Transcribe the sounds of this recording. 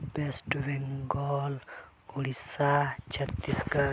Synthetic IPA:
b̥ɛsʈwɛŋɡɔl | ulisad͡ʒat̪iska

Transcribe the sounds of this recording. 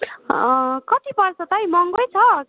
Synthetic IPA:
kʌt̪ipʌrsʌt̪ʌjmʌŋɡʌjt͡sʰʌ

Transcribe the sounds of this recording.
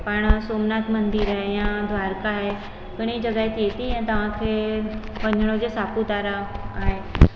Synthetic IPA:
paːɽ̃soːmnaːt̪ʰmɐ̃nd̪iːɾaːɦejãd̪ʱʋaːɾkaɦe | kɪɽ̃id͡ʑɐɡaːet̪et̪iɦɛ̃ːt̪ɐʋ̤ãkʰe | pɐ̃ɲʱəɽ̃od͡ʑesaːput̪aːɾaaːɦeː

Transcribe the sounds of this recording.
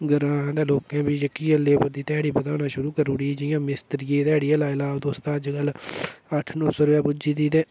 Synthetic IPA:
ɡəɾãːd̪eːloːkɛ̃ːbiːd͡ʒəkiːəleːbəɾd̪iːt̪ɛːɽiːbəd̪aːnaːʃʊɾuːkəɾuːɽiːd͡ʒɪjãːmɪst̪ɾɪjẽːt̪ɛːɽiːəlaːɪlaːd̪oːst̪ãːt͡ʃɡələʈʰnõːsoːɾʋɛːbʊd͡ʒiːd̪iːd̪ẽː

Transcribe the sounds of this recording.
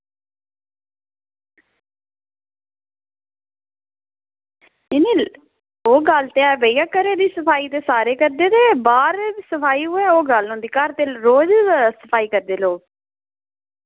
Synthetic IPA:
ɪniː | oːɡəlt̪eaːʋəijaːkəɾeːd̪iːsəpʰaːiːt̪eːsaːɾeːkəɾd̪eːd̪eːbaːɾsəpʰaːiːɦuɛːoːɡəlɦõnd̪iːkəɾt̪eːɾoːd͡ʒsəpʰaːiːkəɾd̪eːloː

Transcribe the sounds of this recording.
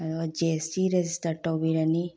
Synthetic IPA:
ɐt̪ʋad͡ʒesiɾed͡ʒisʈɐʈobiɾɐni

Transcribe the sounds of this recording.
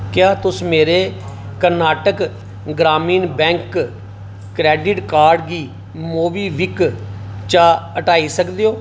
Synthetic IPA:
kjaːt̪ʊsmeːɾeː | kəɾnaːʈək | ɡɾaːmiːnbɛ̃ːŋk | kɾɛːɖɪʈkaːɾɖɡiː | moːʋiːʋɪk | t͡ʃaːəʈaːiːsəkd̪eːoː

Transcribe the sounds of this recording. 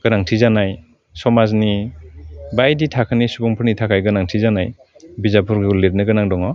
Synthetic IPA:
ɡ̥ɯnaŋtʰizanaj | sɔmazni | bajditʰakʰɯnisubɔŋpʰɯɾnitʰakʰajɡɯnaŋtʰizanaj | bizapʰuɾɡuleɾ̚nɯɡɯnaŋdɔŋɔ

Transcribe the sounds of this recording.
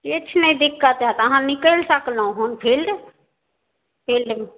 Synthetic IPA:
kit͡ʃʰnəĩd̪ɪkʰːat̪ɦat̪əɦãnikəlsəklɦũɦonpʰil | pʰil

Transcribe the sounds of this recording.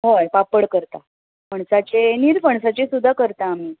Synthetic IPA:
ɦojpapəɽkəɾt̪a | pəɳsat͡ɕeniɾpəɳsat͡ɕesud̪ʱːakəɾt̪aːm̤iː

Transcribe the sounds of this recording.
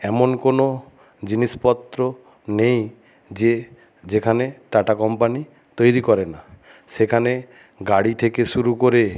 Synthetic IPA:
ɛmonkono | d͡ʒinispɔt̪ɾɔ | nej̃ | d͡ʒe | d͡ʒekʰaneʈaʈakɔmpani | t̪ojɾikɔɾena | sekʰane | ɡaɽit̪ʰekesuɾukoɾe

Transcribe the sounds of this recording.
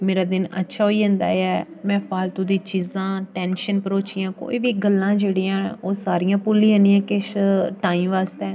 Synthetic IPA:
meːɾaːd̪ɪnə̰tːʃʰaːɦoːiːɦə̃nd̪a̰ːɛː | mɛ̃ːpʰaːlt̪ʊ̃d̪iːt͡ʃiːzãːʈɛːnʃənpəɾoːt͡ʃijãːko̰ːiːʋiːɡəlːãːd͡ʒeːɽiːãːoːsaːɾijãːpuːlːĩːãːnijãːkɪʃʈaːĩːmʋaːst̪ɛː

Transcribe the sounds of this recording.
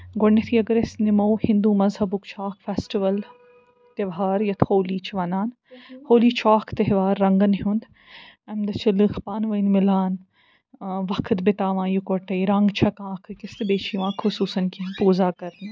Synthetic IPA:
ɡʊɳːet̪ʰiɐɡɐɾesnɪmoːhɪ̃nd̪uːmɐzhɐbʊkt͡ʃʰaːkʰfeːsʈiʋɐl | t̪eʋɦaːɾjɐt̪ʰhoːliːt͡ʃʰʋɐnaːn | hoːliːt͡ʃʰaːkʰt̪ɐɦʋaːɾːɐŋɡɐnɦũnd̪ | ɐmd̪ɐt͡ʃʰilɨxpaːnʋɐjnmɪlaːn | ʋɐkʰt̪bɪt̪aːʋãːjukoʈɐiɾɐŋɡt͡ʃʰɐkãːkʰkɪst̪beːt͡ʃʰiʋãːkʰhʊsuːsɐnkipuːzaːkɐɾn

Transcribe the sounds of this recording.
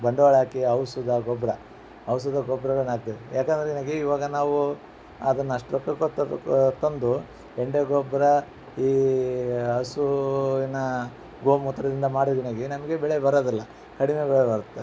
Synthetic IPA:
bɐɳɖɐʋaːɭaːkiɐwsud̪ɐɡɔbɾɐ | ɐws̬ud̪ɐɡɔbɾɐʋɐnaːɡ̚t̪iʋijaːkɐnd̪ɐɾeɡinɐɡeiʋaːɡɐnaːʋu | ɐd̪ɐnːɐʂʈɾɔkːɐkɐt̪ːt̪ond̪u | eɳɖeɡɔbɾɐ | iː | ɐsuinɐ | ɡoːmut̪ːɾɐd̪ind̪ɐmaːɽuɡinɐɡenɐmɐɡe̞bɛɭebɐɾoːd̪ɐlːɐ | kɐɽime̞bɛɭebɐɾut̪ːe

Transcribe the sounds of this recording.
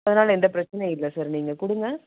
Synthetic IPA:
ɐðɐnaːlɐɛnd̪ɐpɪɾɐt͡ʃːɐnɛɪlːɐsaːɾniːŋɡɐkʊɽɯŋɡɐ

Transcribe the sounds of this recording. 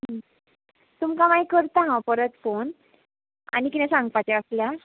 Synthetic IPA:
ɦə | t̪umkamajkəɾt̪aɦãpəɾət̪fon | a̰nikit̪ɛ̃sãŋɡpat͡ɕɛəslja

